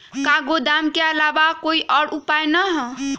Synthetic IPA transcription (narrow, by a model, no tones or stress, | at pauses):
kaɡod̪amkeəlabakoiʔəɽupajnəɦ